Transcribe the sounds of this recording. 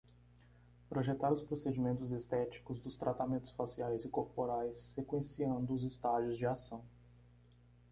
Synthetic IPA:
pɾoʒet̪aɾʊspɾosed͡ʒimẽnt̪ʊzest̪ɛt͡ʃi̥kʊzd̪ʊst̪ɾʔat̪amẽnt̪ʊ̥sfasiajzɪkoɾpoɾajsːekwẽsiɐ̃nd̪ʊʊzɪst̪aʒiʊzd͡ʒɪasɐ̃w̃

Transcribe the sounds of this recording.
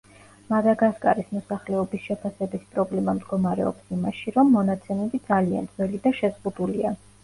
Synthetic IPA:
mad̪aɡaskʼa̰ɾismɔsaχlɛɔbisʃɛpʰasɛbispʼɾɔblɛmamd̪ɡɔmaɾɛ̰ɔ̰psimaʃiɾɔmːɔnat̪sʰɛmɛbid̪zalia̰nd̪z̥wɛlid̪aʃɛzʁud̪ulia

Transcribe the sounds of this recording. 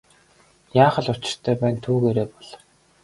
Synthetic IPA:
jaːχə̆ɮʊt͡ɕɪ̥̆r̥t̪ʰœːpæːnt̪ʰuːɣeːɾeːpɔɮ̥

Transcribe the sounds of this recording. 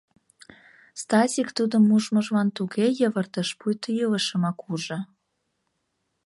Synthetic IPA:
st̪ɑzʲikt̪ud̪ə̆mːuʒmɤ̆ʒmɑnt̪uɣejəβə̆rt̪ə̆ʃpujt̪əjələʃə̆mɑkuʒɤ̆

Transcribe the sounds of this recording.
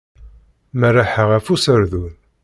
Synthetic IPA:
mərːaħəʁæfusəɾðun

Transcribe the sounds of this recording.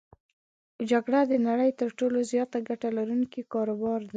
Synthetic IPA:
d͡ʒaɡɽad̪ənaɽəjt̪əɾʈolozjɑt̪aɡaʈalaɾunkikɑɾobɑɾd̪a

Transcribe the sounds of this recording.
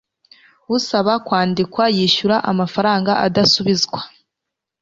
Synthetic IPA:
wusaβakwaːndikwajiːʃuɾaʔamafaɾaːŋɡaʔadasuβizɡwa

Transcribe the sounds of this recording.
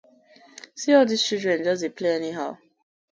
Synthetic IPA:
siɔldiz̥t͡ʃildɹɛ̃nd͡ʒɔs̬depʰleɛniɦaʊ

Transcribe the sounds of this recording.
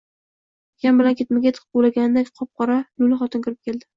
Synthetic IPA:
jambɪlankʰʲe̞t̪maɡʲat̪ʰɨ̥qʰpbolaɡʲanɪd̪akʲqʰɒp̚qʰɒɾalʊlaχɒt̪ʰɪnkʰʊɾɪp̚kʲʰe̞ld̪ɪ

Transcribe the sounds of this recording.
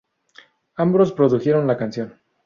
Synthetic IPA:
ambɾospɾo̞ðuxjeɾo̞nlakansjo̞n

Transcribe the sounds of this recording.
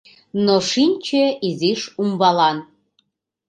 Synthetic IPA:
noʃinʲt͡ɕeiziʃumbɑlɑn

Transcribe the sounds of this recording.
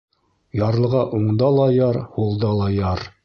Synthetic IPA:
jɑɾlˠɤ̆ʁɑʔuɴd̪ɑlˠɑjɑɾhulˠd̪ɑlˠɑjɑɾ

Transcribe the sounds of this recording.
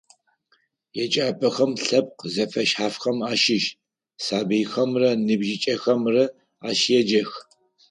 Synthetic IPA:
jɛt͡ʃʼaːpʼɐxɐmɬɐp̚qzɐfɐʃħaːfxɐmaːʃɪʃ | saːbɨjxɐmrɐnɨbʒɪt͡ʃʼɐxɐmrɐ | aːʃjɛd͡ʒɐx

